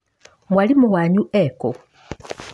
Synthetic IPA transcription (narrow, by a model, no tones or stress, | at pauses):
mwalimuɣaːɲuʔeko